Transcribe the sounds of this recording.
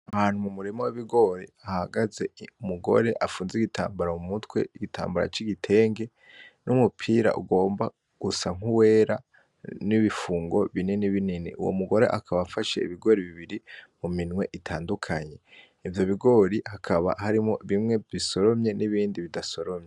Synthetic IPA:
ahaːn̥humumuɾimowiβiɡo̞ɾiahaɡaze̞umuɡo̞̰ɾe̞ʔafuːnziɡitʰa̰ːmbaɾamumutwe̞̰iɡitʰa̰ːmbaɾa̰t͡ʃiɡitʰe̞ːŋɡe̞ | numupʰiːɾa̰ʔṵɡo̞ːmba | ɡ̥usaŋ̥uwe̞ːɾa | niβifuːŋɡo̞βininiβininḭʔṵwo̰muɡo̞ɾe̞̰ʔakʰaβaːfaʃe̞̰iβiɡo̞ɾiβiβiɾimuminwe̞ʔitʰaːndukʰaɲe̞ | ivjo̞βiɡo̞ɾihakʰaβa̰haɾimo̞βimŋe̞βiso̞ɾo̞mɲe̞niβiːndiβidaso̞ɾomɲe

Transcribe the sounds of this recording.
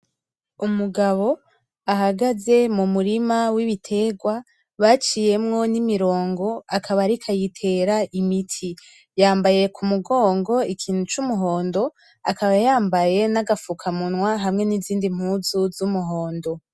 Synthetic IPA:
umuɡaβo̞ | aɦaɡaze̞mumuɾimawiβitʰe̞ːɡwa | βat͡ʃije̞mŋo̞nimiɾo̞ːŋɡo̞akʰaβaɾikʰajitʰe̞ɾaʔimitʰi | jaːmbaje̞kʰumuɡo̞ːŋɡo̞ikʰiːn̥ut͡ʃumuɦo̞ːndo̞ | akaβajaːmbaje̞naɡafukʰamunŋwaɦamŋe̞niziːndim̥huːzuzumuɦo̞ːndo̞

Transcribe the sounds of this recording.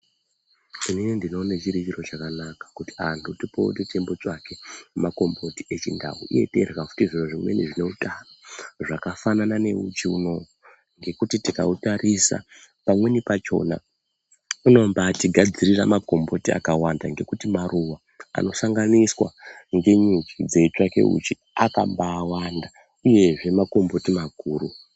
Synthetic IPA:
ininindino̞net͡ʃiɾit͡ʃiro̞t͡ʃakanakḁkuti̥antʰutipo̰tete̞mbot͡ʂake̞mako̞mbo̞tie̞t͡ʃinda̰wṵʔḭje̞̰te̞̰rɣakutiʐiroʐimwe̞̰niʐine̞utanoʐakafananane̞ut͡ʃiuno̞ | ŋɡe̞kutitikautaɾʔisa̰ | pamwe̞nipat͡ʃo̞̰na̰ | uno̞mbaːtiɡʱad͡ziriramako̞mbo̞tia̰kawandaŋɡe̞kutimaruwa | a̰no̞saŋɡaniswa̰ŋɡe̞ɲut͡ʃid͡ze̞t͡ʂake̞̰ṵt͡ʃi | aka̰mbaːwanda | uje̞ʐe̞mako̞mbo̞timaɡʱuːru

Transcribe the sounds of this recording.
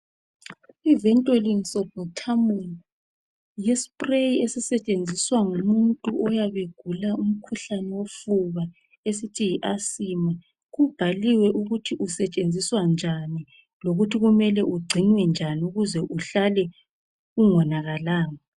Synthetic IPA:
ivɛntʼeliŋsɔbɔtʰamu | jespʼrejiesisɛt͡ʃʼend͡zʱiswaŋumuntʼuʔɔjaβeɡ̥ʱulaum̩kʰuɬanɛwofuβa | esitʰijiʔasima | ɣub̥ʱaliwɛʔuɣutʰiʔusɛt͡ʃʼend͡zʱiswand͡ʒʱani | loɣutʰiɣumɛlɛʔuɡ͡ǀʱinwɛnd͡ʒʱaniuɣuzɛʔuɬalɛ | uŋɔnaɣalaːŋa

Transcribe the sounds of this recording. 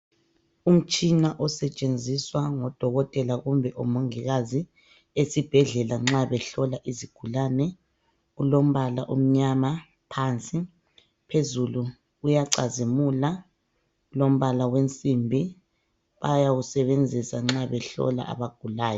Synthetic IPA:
um̩t͡ʃʼinaʔɔsɛt͡ʃʼend͡zʱiswaŋɔd̥ʱɔɣɔtʼɛlaɣumbʱɛʔɔmoŋiɣazi | esib̥ʱɛɮɛlaŋ͡ǁaβɛɬɔlaʔiziɡ̥ʱulanɛ | ulom̩βala̰ʔum̩ɲama | pʰant͡sʼi | pʰezulu | ujaǀazimula | ulom̩βalawent͡sʼimbʱi | βajausɛβend͡zʱisaŋ͡ǁaβɛɬɔ̰la̰ʔa̰βaɡ̥ʱulaːjɔ

